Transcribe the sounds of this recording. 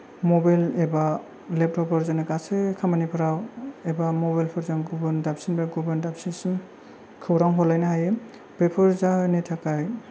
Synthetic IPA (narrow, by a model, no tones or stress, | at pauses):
mɔbajleba | lep̚tʰɔpɔɾzanakasekʰamanipʰɯɾawebamɔbajlpʰɔɾzamɡubɯndapsinbeɡubandapsism | kʰɯwɾaŋɦɔlajnaɦaje | b̥epʰɔɾzanetʰakaj